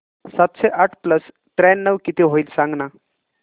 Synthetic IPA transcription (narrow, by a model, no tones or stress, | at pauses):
sat̪ɕeʔaʈʰpləs | t̪ɾɛnːəʋkit̪iɦoiːlsãŋɡna